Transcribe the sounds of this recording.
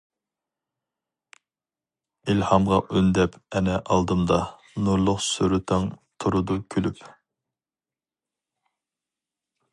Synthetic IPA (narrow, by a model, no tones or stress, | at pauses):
ilhɑmʁɑʔønd̪ɛpʰɛnɛʔɑlˠd̪ɨmd̪ɑ | nuɾlˠʊqsyɾɨt̪ʰɑŋt̪ʰuɾud̪ukʲʰølyp